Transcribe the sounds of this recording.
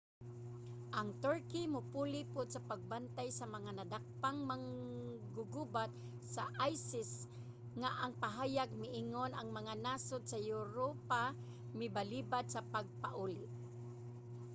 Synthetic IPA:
ʔaŋt̪əɹkimʊpulipʊd̪̚sapaɡ̚bant̪ajsamaŋanad̪ak̚paŋmaŋɡʊɡubat̪̚ | saʔajsɪs | ŋaʔaŋpaɦaːjaɡ̚mɪʔiŋonaŋmaŋanasod̪̚sajʊɾopa | mɪbalibad̪̚sapaɡ̚paʔulɪʔ

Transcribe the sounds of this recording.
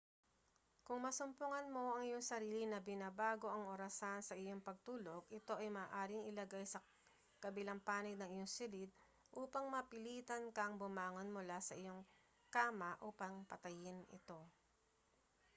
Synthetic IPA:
kʊŋmɐsʊmpʊŋɐnmo̞ʔɐŋɪjo̞ŋsɐɾiːlinɐbɪnabaːɡo̞ʔɐŋʔoɾɐsansɐʔɪjoŋpɐɡ̚t̪uːlo̞ɡʔɪt̪o̞ʔɐjmɐːʔaːɾɪŋɪlɐɡajsɐ | kɐbɪlaŋpaːnɪɡ̚nɐŋɪjoŋsʊlɪd̪̚ | ʔuːpɐŋmɐpɪliːt̪ɐnkɐŋbʊmaːŋonmʊlasɐʔɪjo̞ŋ | kaːmɐʔuːpɐŋpɐt̪ɐjɪnɪ̰t̪o̞

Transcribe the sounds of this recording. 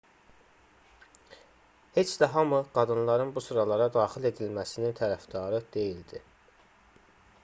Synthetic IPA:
he̞t͡ʃd̪æɦɑmuɡ̥ɑd̪ɯnlˠɑɾɯnbusuɾɑlˠɑɾɑd̪ɑːxile̞d̪ilmæsinint̪ʰæɾæfd̪ɑɾɯd̪̥e̞jild̪i

